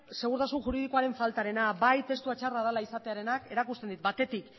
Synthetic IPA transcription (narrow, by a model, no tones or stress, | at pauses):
se̞ɣ̞uɾt̪asunʝuɾiðikoaɾe̞ɱfalt̪aɾe̞nabajt̪e̞st̪uat͡ʃaraðalaisat̪e̞aɾe̞nake̞ɾakust̪e̞nd̪it̪̚bat̪e̞t̪ik